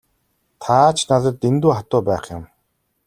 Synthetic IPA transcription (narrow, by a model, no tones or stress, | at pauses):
t̪ʰat͡ɕnaɮə̆rt̪ent̪uːχat̪ʊːpæːχjʊ̰m